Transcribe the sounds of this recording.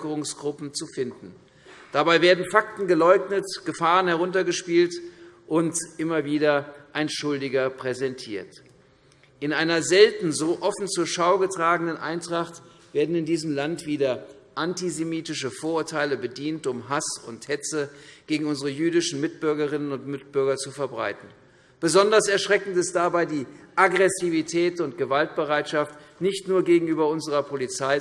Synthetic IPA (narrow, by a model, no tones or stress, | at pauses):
kəʁʊŋsɡ̥ʁʊpm̩t͡sufɪndn̩ | d̥abaɪveːɐdn̩fak̚tn̩ɡəlɔʏknətɡ̥əfaːʁənhɛʁʊntɐɡəʃpiːltʔʊntʔɪmɐviːdɐʔaɪnʃʊldɪɡɐpʁ̥ɛzɛntʰiːɐt | ʔɪnʔaɪnɐzɛltn̩zoːʔɔfn̩t͡suɐʃaʊɡətʁ̥aːɡənənʔa̰ɪntʁ̥aχt | v̥eːɐdn̩ɪndiːzəm̩lantv̥iːdɐʔantizemiːtɪʃəfoːɐʊːɐtʰaɪləbədiːntʊmɦasʊnthɛt͡səɡ̥eːɡŋ̩ʊnzəʁəjyːdɪʃn̩mɪt̚b̥ʏɐɡɐʁɪnənʊntmɪt̚b̥ʏɐɡɐt͡sufɛɐbʁa̰ɪtn̩ | b̥əzɔndɐsɛɐʃʁ̥ɛkn̩tɪst̚d̥abaɪdiːʔaɡʁɛsivitʰɛːtʊntɡ̥əvalt̚b̥əʁaɪtʃaft | nɪçtnuːɐɡeːɡŋ̩yːbɐʊnzəʁɐpʰolit͡saɪ